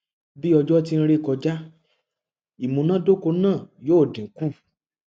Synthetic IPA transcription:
bi˦ɔ˧d͡ʒɔ˦t̬i˧ñ̩˧ɾe˦˨kɔ˧d͡ʒa˦ | i˨mũ˧˦nã˦do˦ko˧nãː˦˨jo˦˨dĩ˨ŋ̩˨ku˦˨

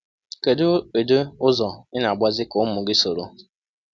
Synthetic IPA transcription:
ke˨do˦e˨do˦ʊ˦zɔ˨ɪ˦na˨ɡ͡bʷa˦zɪ˦kʊ˨˦mʊ˨ɡɪ˦so˨ɾo˨

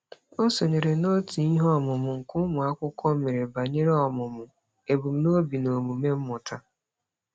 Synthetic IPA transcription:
o˦so˨ɲe˨ɾe˨no˦ti˨i˦ɦɔ˦˨mʊ˨mʊ˨ŋ̩˨kʊ˦mʊ˨a˦kʷʊ˦kʷɔ˦me˨ɾe˨ba˨ɲe˦ɾe˦ɔ˨mʊ˨mʊ˨ | e˨bu˨m̩˦no˦bi˨no˨mu˨me˦m̩˦mʊ˨tʰa˦

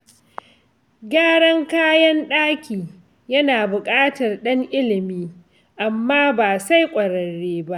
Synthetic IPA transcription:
ɡʲaː˦ɽɐ˦ŋkaː˦jɐ˦nɗaː˦kʲiː˨ | jɐ˦naː˨bʊ˨kʼaː˦tɐ˨rɗɐ˦ŋʔɪ˦lɪ˨miː˦ | ʔa˨mːaː˦baː˨sa˦jkʷʼɐ˨ɽɐ˨ɽeː˦ba˦ʔ

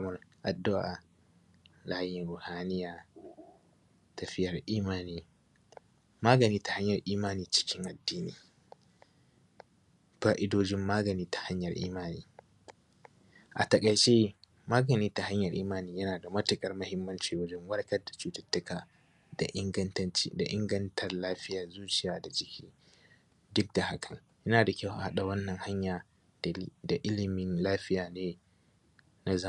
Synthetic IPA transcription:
mɐ˨ɾʔa˨dːa˦wʔa˨ | laː˦jɪ˨nɾʊ˨haː˦nɪ˦jaː˨ | ta˨ɸɪ˦jɐ˨ɾʔiː˦maː˦niː˦ | maː˦ɡɐ˨niː˦tḁ˨ha˦ɲjɐ˨ɾʔiː˦maː˦niː˨t͡ʃɪ̥˦kʲʰɪ˦ŋʔa˨dːiː˦nḭ˦ | faː˦ʔɪ˦doː˦d͡ʒɪ˦mːaː˦ɡɐ˨niː˦tḁ˨ha˦ɲjɐ˨ɾʔḭː˦maː˦niː˨˦ | ʔa̰˨tɐ˨kʼɐ˨jt͡ʃe˦ | maː˦ɡɐ˨niː˦ta˨ha˦ɲjɐ˨rʔiː˦maː˨niː˦jɐ˦naː˨da˨mɐ˦tʊ˨kʼɐ˨rmɐ˦hɪ˦mːɐ˦nt͡ʃiː˨wɐ˦d͡ʒɛ˦ŋwɐ˦ɽkɐ˦da˨t͡ʃuː˦tɐ˦tːʊ˦kaː˨ | da˨ʔɪ˦ɡɐ˦ntt͡ʃi˦da̰˨ʔɪ̰˦ŋɡɐ˦ntʰɐ˨rlaː˦ɸɪ˦jaː˨zuː˦t͡ʃɪ˨jaː˨da˨d͡ʒɪ˦kʲiː˦ | dʊ˦k̚da˨ha˦kʰɐ˨ŋ | jɐ˦naː˨da˨kʲa˦wʔa̰˨ha˦ɗa˨wɐ˦nːɐ˨ŋha˦ɲjaː˨ | da˨ʔɪ˦lɪ˨mɪ˦nlaː˦ɸɪ˦jaː˨neː˦ | na˦zɐ˦˨

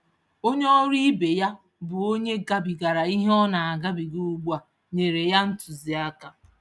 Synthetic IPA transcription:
o˦ɲe˦ɔ˦ɾi˦be˨ja˦ | bʊ˨o˦ɲe˦ɡa˨bi˨ɡa˨ɾa˨i˦ɦe˦ɔ˦na˨a˨ɡa˦bi˨ɡu˦u˦ɡ͡ba˨ | ɲe˨ɾe˨ja˦n̩˦tʊ˨zi˨a˦ka˨

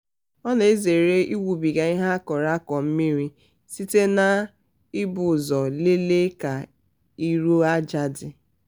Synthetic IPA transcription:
ɔ˦ne˨e˦ze˨ɾe˦ʔi˦wu˨bi˨ɡa˨i˦ɦa˦kɔ˨ɾa˦kɔ˨m̩˦mi˦ɾi˦ | si˦te˦na˦ | ɪ˦bʊ˨zɔ˨le˦le˦ka˨ | i˦ɾu˦a˦d͡ʒa˨dɪ˨

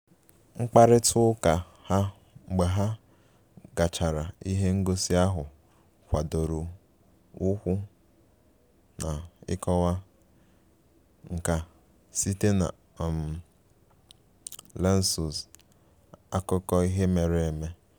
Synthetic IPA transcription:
ŋ͡m̩˦k͡pa˦ɾɪ˦tʰʊ˦ka˨ | ha˦˨ | ɡ͡be˨ɦa˦ | ɡa˨t͡ʃa˨ɾa˨i˦ɦe˦ŋ̩˦ɡo˦si˦a˦ɦʊ˨ | kʷa˨do˨ɾu˨ | ʊ˦kʷʊ˦ | na˨ɪ̰˦kɔ˦wa˦ | ŋ̩˨ka˨ | si˦te˦na̰˨ | m˨ | le˦n̩˦su˨z | a˦kʊ˦kɔ˦i˦ɦe˦me˨ɾɪ˦e˨me˦

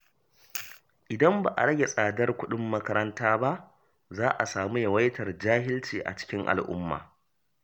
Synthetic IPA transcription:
ʔɪ˨dɐ˦mba̰˨ʔa̰˨ɽɐ˦ɡʲe˨sʼaː˨dɐ˦rkʷʊ˦ɗʊ˦mːɐ˦kɐ˦ɾɐ˦ntaː˦ba˦ʔ | zaː˦ʔa˨saː˨mu˦jɐ˨wɐ˦jtɐ˨rd͡ʒaː˦ɦɪ˦lt͡ʃiː˨ʔa̰˨t͡ʃɪ̥˦kʲɪ˦ŋʔa̰˨lʔʊ̰˦mːa̰ː˨

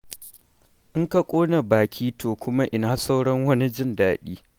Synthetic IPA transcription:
ʔɪ˦ŋka˨kʷʼoː˦na˨baː˨kʲiː˦tʰoː˨kʷʊ˦ma˦ʔɪ˨naː˨sa˦wɽɐ˦ŋwɐ˦ni˦d͡ʒɪ˦ndaː˨ɗiː˦

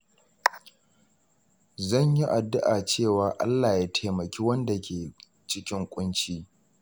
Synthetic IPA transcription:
zɐ˦˨ɲji˦ʔa˨dʊ˦ʔaː˨t͡ʃeː˦˨waː˨ʔa̰˦lːaː˨jaː˦tʰeː˨mɐ˨kʲiː˦wɐ˦nda˨kʲeː˨ | t͡ʃɪ˦kʲɪ˦ŋkʷʼʊ˦nt͡ʃiː˦

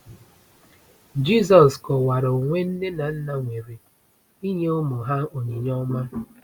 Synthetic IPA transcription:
d͡ʒi˦˨s̬ɔ˨skɔ˨wa˨ɾo˨ŋʷe˦n̩˦ne˦na˨n̩˦na˦ŋʷe˨ɾi˨ | i˦ɲe˦ʊ˦mʊ˨ɦa˦o˨ɲe˨ɲɔ˦ma˦

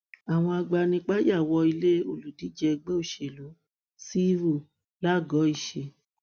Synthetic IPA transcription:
a˨w̃ɔ̃˧a˧ɡ͡ba˧nĩ˧k͡pa˦ja˦˨wɔ˧i˧le˦o˨lu˨di˨˦d͡ʒɛ˧ɡ͡be˦o˦˨ʃe˨lo˨˦ | si˦ɾo˦˨ | la˦˨ɡɔ˨˦i˦˨ʃe˧

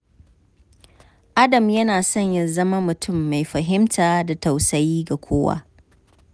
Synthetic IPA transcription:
ʔa˦dɐ˨mjɐ˦naː˨sɔ˦ɲjɐ˦zɐ˦ma˦mʊ˨tʰʊ˦˨mːa˨jɸɐ˨ɦɪ˦mtʰaː˨da˨ta˨wsɐ˦jiː˦ɡa˨kʷʰoː˦wa̰˦

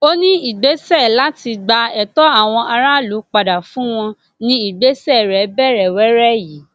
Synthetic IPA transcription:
o˦nĩ˦i˨ɡ͡be˨˦sɛ˦˨la˨˦ti˧ɡ͡ba˧ɛ˨tɔ˦a˦˨w̃ɔ̃˧ʔa˧ɾa˦lu˨˦k͡pa˨da˨fũ˦w̃ɔ̃˧ | nĩ˧i˦˨ɡ͡be˨˦sɛ˦˨ɾɛ˨˦bɛ˦˨ɾɛ˨wɛ˨˦ɾɛ˦ji˨˦

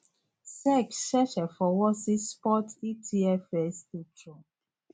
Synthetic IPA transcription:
sɛ˦kʃɛ˦ʃɛ˨fɔ˨wɔ˦si˦spɔ˦ti˦tʰi˦ɛ˦fɛ˨ste˦tʰɹɔ˨

